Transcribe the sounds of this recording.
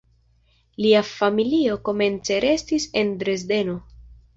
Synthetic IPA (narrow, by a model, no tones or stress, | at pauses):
liafamilio̞ko̞me̞nt͡se̞ɾe̞stise̞ndɾe̞zde̞no̞